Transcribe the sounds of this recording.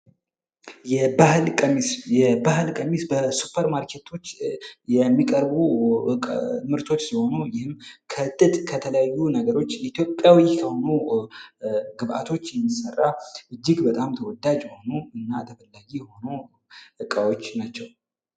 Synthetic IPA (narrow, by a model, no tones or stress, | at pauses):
jɛbahlkʼəmisjɛbahɨlkʼəmisbəsupʰəɾmaɾkʰe̞t̪ʰo̞t͡ʃːjɛmːikʼəɾbukʼmɨɾt̪ʰo̞t͡ʃːsiho̞nujɪhɨmkʰət̪ʼːɨt̪ʼkʰət̪ʰələjajːunəɡəɾo̞t͡ʃːjɛit̪ʰjo̞pʼjawikʰəho̞nu | ɡɨβʔa̰t̪ʰo̞t͡ʃːjɛmːisərːaʔɨd͡ʒːɪɡbət̪ʼamt̪ʰəwɔd̪ad͡ʒjho̞nuɨnːat̪ʰəfəlːaɡijho̞nu | ɨkʼawo̞t͡ʃːnat͡ʃːɛw